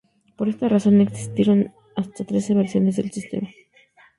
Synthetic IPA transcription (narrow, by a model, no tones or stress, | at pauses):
po̞ɾe̞st̪araso̞ne̞ksi̥st̪je̞ɾo̞n | ast̪at̪ɾe̞se̞βeɾsjo̞ne̞zðelsist̪e̞̰ma